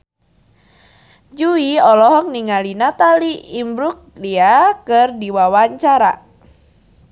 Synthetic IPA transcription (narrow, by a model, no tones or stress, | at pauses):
d͡ʒuiɔlɔɦɔk̚niŋalinat̪aliimbɾuk̚liakɨrdiwawaɲt͡ʃaɾa̰